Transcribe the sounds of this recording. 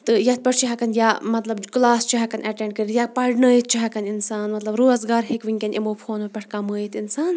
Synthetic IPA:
t̪ɨjɐt̪̚pʲɐʈʰt͡ʃʰiɦɐkɐnjaːmɐt̪lɐbklaːst͡ʃʰiɦɐkɐnʔɐʈẽɳɖ̚kɐɾijapɐɽnəːjit̪̚t͡ʃʰiɦɐkɐninsaːnmɐt̪lɐbɾoːzɡaːɾɦikʋiŋʲkʲɐnʔimoːpʰoːnopʲɐʈʰkaməːjit̪insaːn

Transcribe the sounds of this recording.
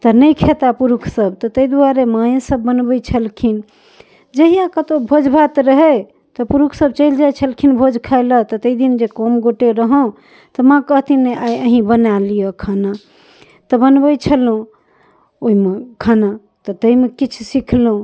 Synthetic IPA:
t̪ənəjkʰet̪apuɾukʰsəbt̪ɔt̪əid̪uaɾemaj̃səbːənbəjt͡ʃʰəlkʰin | d͡ʒəɦijakət̪obʱod͡ʒbʱat̪ɾəɦɛ | t̪ɔpuɾukʰsəb̚t͡ʃəɪld͡ʒajt͡ʃʰəlkʰinbʱod͡ʒkʰajlət̪ɔt̪əid̪ind͡ʒekɔmɡoʈeɾəɦõ | t̪ɔmãkəɦt̪ineajəɦĩbənalijɔkʰana | t̪ɔbənbəjt͡ʃʰəlũ | oimekʰana | t̪ɔt̪əimekit͡ʃʰsikʰlũ

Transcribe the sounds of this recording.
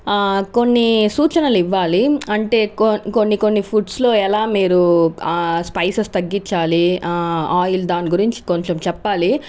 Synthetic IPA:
ko̞nːisuːt͡ʃɐnɐliʋːaːliɐɳʈe̞ːko̞nːiko̞nːipʰuʈslo̞ːɛlaːmiːɾu | spɐjsɐst̪ɐɡːiɲt͡ʃːaːli | aːjild̪aːniɡuɾiɲt͡ʃi̥ko̞ɲt͡ʃemt͡ʃɛpːaːli

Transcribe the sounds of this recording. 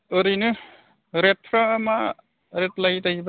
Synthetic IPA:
ɯɾɯnɯ | ɾet̚pʰɾaːma | ɾetlajtajba

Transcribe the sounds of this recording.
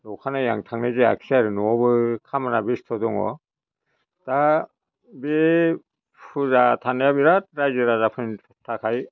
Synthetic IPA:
ɾɔkʰanaja̰ŋtʰaŋnazea̰kʰsiaɾɯnɔɔbɯkʰamanabistʰɔdɔŋɔ̰ | ta | be | pʰuzatʰanajabiɾat̚ɾajzɯɾazapʰɯnʰ | tʰakʰaj

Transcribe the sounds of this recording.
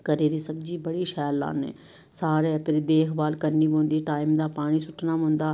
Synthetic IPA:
kəɾeːd̪iːsəbd͡ʒiːbəɽiːʃɛːlːa̰ːnḛː | saːɾɛːpɪɾd̪eːkʰbaːlkəɾniːbõːnd̪iːʈaːɪmd̪aːpaːɽ̃iːsʊʈʰnaːmʊ̃nd̪aː

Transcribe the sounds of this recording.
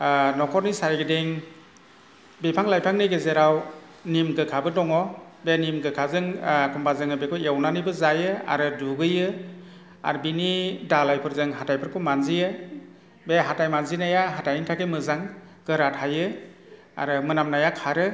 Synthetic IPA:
nɔkʰɔɾnisaɾiɡɯdeŋ | bepʰaŋlajpʰaŋniɡɯzeɾaw | nimɡɯkʰabɯdɔŋɔbenimɡɯkʰazɯŋkʰɔmpʰazɯŋɯbekʰɔjawnanibɯzajɯa̰ɾɯduɡɯjɯ | a̰ɾbinidalajpʰɯɾzɯŋɦatajpʰɯɾpʰɯmanzijɯ | beɦatajmanzinajaɦatajnintʰakemɯzaŋ | ɡ̥ɯɾatʰajɯ | a̰ɾɯmɯnamnajakʰaɾɯ

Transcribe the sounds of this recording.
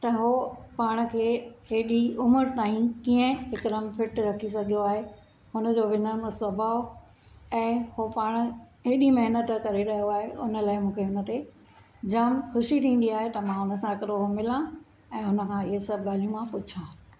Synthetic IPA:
t̪ɐɦoːpaːɽ̃kʰeːɦeːɗiʊməɾt̪aːĩkiːə̃ɪkɪɾəmpʰɪʈɾɐkʰisɐɡʱijoaːɦe | hʊnə̆d͡ʑoːʋɪnəməsɐbʱaːo | ɛ̃ːhopaːɽ̃̆ɦeːɗimɐɦnət̪kɐɾeɾɐɦjoaːɦeʔʊnə̆laːɪmũːkʰeɦʊnə̆t̪e | d͡ʑɐmxʊʃit̪ʰĩːn̆d̪iaːɦet̪ɐmãɦʊnə̆s̬ãkɐɾoɦomɪlã | ɛ̃ːɦʊnə̆kʰãːɪɦesɐbɠaːlijũmãpʊt͡ɕʰãː

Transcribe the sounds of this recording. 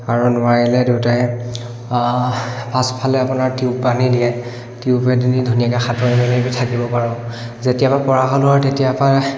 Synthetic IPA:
aɹunʊajilɛdewtaj | pʰaspʰalɛapunaɹtiuppanidijɛ | tiupɛdinidʱunijakɛxatɔɹimɛlibitʰakibɔpaɹɔ̃ | zetijapapɔɹaxɔlʊaɹtetijapa

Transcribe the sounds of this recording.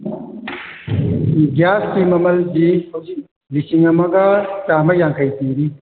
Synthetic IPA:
ɡjaskimɐmɐld͡ʒihowzik̚ | lisiŋɐmɐɡɐt͡ʃamɐjaŋkʰɐjt̪iɾi

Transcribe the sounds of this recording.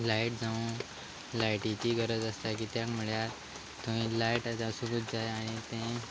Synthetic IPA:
laiʈ̚d͡zaʋũ | lajʈit̪iːɡəɾəd͡zəst̪ak̬iːt̪jakm̤uɭja | t̪õʋĩlaiʈat̪asuɡuːt̪̚d͡zajaɽ̃it̪ẽ

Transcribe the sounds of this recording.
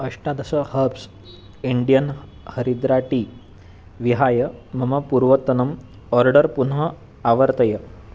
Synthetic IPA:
ɐʂʈad̪ɐsəhɐps | iɳɖijən | həɾid̪ɾaʈi | ʋiɦaːjəmɐmɐpuɾʋɐt̪ːɐnɐm | ɔɾɖəɾpunɦə | aʋəɾt̪ɐjə

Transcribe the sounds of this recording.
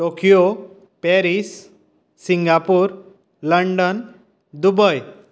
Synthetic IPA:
ʈokijo | pɛɾisː | iŋɡapuɾ | ləɳɖən | d̪ubəj

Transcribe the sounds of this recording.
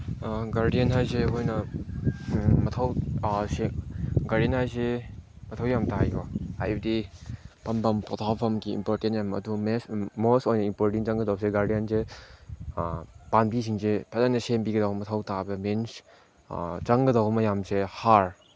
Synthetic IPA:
ɡaɾdijenɦajseɦojnɐ | mɐtʰɐwseɡaɾdenhajse | mɐtʰawjamtajɔha̰jbɐdipɐmpɐmpɔtʰawpʰɐmkiḭmpoɾtentjamɐ̰dumesmostojnɐimpoɾtint͡ʃaŋɡɐdawbseɡaɾdijense | panbisiŋzepʰazanɐsembiɡɐdawbɐmɐtʰawtabemens | t͡ʃɐŋɡɐdawbɐmɐjamsehaɾ

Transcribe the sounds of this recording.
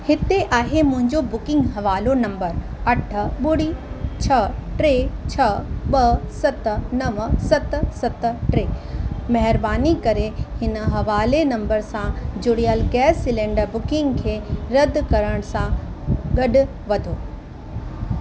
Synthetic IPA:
hɪt̪eʔaːɦemʊ̃ɦɪ̃ɲd͡ʑobʊkɪ̃ŋɡɦɐʋaːlonɐ̃mbəɾɐʈʰə̆ɓʊɽit͡ɕʰɐʈɾeːt͡ɕʰɐɓɐsɐt̪nɐʋsɐt̪̆sɐt̪ʈɾeːmɐɦɪɾbaːnikɐɾehɪnə̆ɦɐʋaːlenɐ̃mbəɾsãd͡ʑʊɽijəlɡɛːsːɪlɛ̃ːɳɖəɾbʊkɪ̃ŋɡkʰeːɾɐd̪ʱkɐɾəɽ̃sãɡɐɗʊ̆ | ʋɐd̪ʱoː

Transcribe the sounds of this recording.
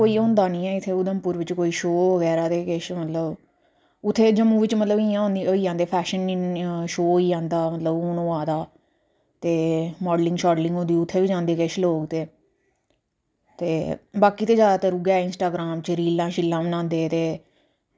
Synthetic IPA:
koːiːõːnd̪aːnĩːɛːɪt̪ʰːeːʊd̪əmpʊːɾʋɪt͡ʃkoːiːʃoːʋəɡɛːɾaːt̪eːkeʃmət̪ləb | ʊt̪ʰːeːd͡ʒəmũːʋɪt͡ʃmət̪ləbɪːãːɦõnd̪iːoiːãːnd̪eːpʰɛːʃənʃoːoiːãːnd̪aːmət̪ləbʊnõːaːd̪aː | t̪eːmɔːɖlɪŋɡʃaːɖlɪ̃ŋɡɦõːnd̪iːʊt̪ʰːeːʋiːd͡ʒãːnd̪eːkeʃloːɡt̪eː | t̪eːbaːkiːt̪eːd͡ʒaːd̪aːt̪əɾʊɡaːɪnsʈaːɡɾaːmt͡ʃəɾiːlãːʃɪlːãːmənãːnd̪eːt̪eː

